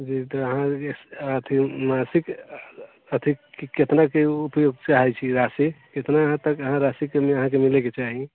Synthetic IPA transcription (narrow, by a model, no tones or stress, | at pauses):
d͡ʒit̪ɔəɦãekət̪ʰimasik | ət̪ʰiiket̪nakeupjoɡt͡ʃaɦɛt͡ʃʰiɾasiket̪naɦãt̪əkəɦãɾasikemeəɦãk̬emileket͡ʃaɦi